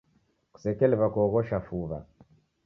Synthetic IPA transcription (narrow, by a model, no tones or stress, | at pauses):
ku̥sɛkɛlɛβakɔɣɔʃafuβa̰